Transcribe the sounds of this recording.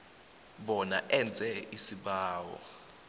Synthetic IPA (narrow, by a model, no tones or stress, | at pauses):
ɓɔnaʔɛnd͡zʱɛisiɓaːwɔ̰